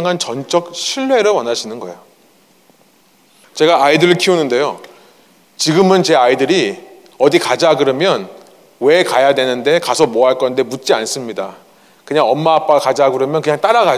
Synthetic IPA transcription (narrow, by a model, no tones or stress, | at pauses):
ŋɦant͡ɕʌnt͡ɕ͈ʌk̚ɕʰiɭːe̞ɾowʌnad͡ʑʰinɯnɡʌejo | t͡ɕe̞ɡaːidɯɾɯɭkʰiunɯnde̞jo | t͡ɕiɡɯmɯnt͡ɕe̞aidɯɾi | ʌdikad͡ʑaɡɯɾɯmjʌn | we̞kajadwe̞nɯnde̞kasʰʌmoɦaɭk͈ʌnde̞mut̚t͡ɕ͈ians͈ɯmɲida | kɯɲaŋʌmːaːp͈aakad͡ʑaɡɯɾɯmjʌnkɯɲaŋt͈aɾaɡa